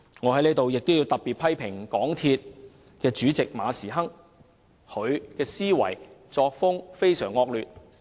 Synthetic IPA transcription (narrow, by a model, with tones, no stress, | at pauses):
ŋɔː˨˧hɐ˨˥jleː˥t̪o˨wjɪ˨k̚t̪o˥wjiː˨˧wt̪ɐ˨p̚pi˨t̚pʰɐ˥jpʰɪ˨˩ŋkɔː˨˥ŋt̪ʰiː˧t̚ | kɛː˧t͡ʃyː˨˥t͡sɪ˨k̚ma̰ː˨˧siː˨˩ɦɐ˥ŋ | hɵ˨˧ɥkɛː˧siː˥wɐ̰˨˩jt͡sɔː˧k̚fʊ˥ŋfe˥jsœ̰ː˨˩ŋːɔː˧k̚lyː˨t̚